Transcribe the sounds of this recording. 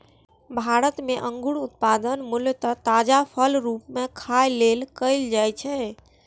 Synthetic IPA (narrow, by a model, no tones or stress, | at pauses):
bʱaɾət̪meʔə̃ŋɡuɽut̪̚pad̪ənmuljt̪ət̪ad͡ʒapʰəlɾupmekʰajlelkəɪld͡ʒajt͡ʃʰɛ